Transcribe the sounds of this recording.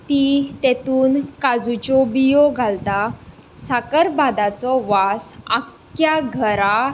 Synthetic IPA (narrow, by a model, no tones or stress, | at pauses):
t̪it̪ɛt̪uːnkad͡zut͡ɕɔbijɔɡʱalt̪a | sakəɾbad̪at͡sɔʋasak | jaɡʱəɾa